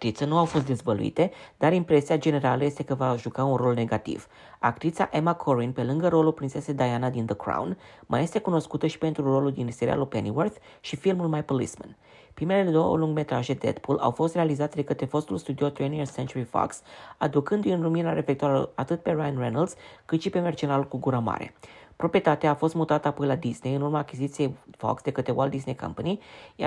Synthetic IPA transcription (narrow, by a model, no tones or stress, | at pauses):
t̪ɾit̪sənuawfo̞st̪d̪ezvəlṵḭt̪e̞d̪̥aɾimpɾe̞siad͡ʒe̞ne̞ɾaləje̞st̪e̞kəvaʒukaunro̞lne̞ɡat̪ḭv̥ | akt̪ɾit̪saʔemakʰo̞ɾinpe̞lɨŋɡəɾo̞lulpɾinse̞se̞d̪ajanad̪ind̪əkɾa̰wnmʔa̰je̞st̪e̞kuno̞skut̪əʃi̥pe̞nt̪ɾuro̞luld̪inseɾḭa̰lupeniwərθ | ʃifilmulmajpolḭsmə̰n | pɾime̞le̞le̞d̪o̞wə̰luŋɡme̞t̪ɾaʒe̞d̪ḛt̪pula̰wfo̞st̪realizat̪d̪e̞kət̪ɾe̞fo̞st̪ulst̪ud̪io̞t̪ɾenirsent͡ʃuɾifɔ̰ksad̪ukɨnd̪ujɨnruminaɾefe̞k̚t̪oaɾa̰at̪ɨt̪̚pe̞ɾajanrenald̪skɨt̪ʃipe̞mert͡ʃenalukuɡuɾama̰ɾe̞̰pɾopɾie̞t̪at̪eaːfo̞st̪mut̪at̪əapo̞jlad̪isne̞jɨnurmaːkʲizit̪sijejfo̰ksd̪e̞kət̪ɾe̞wald̪isne̞jka̰mpanij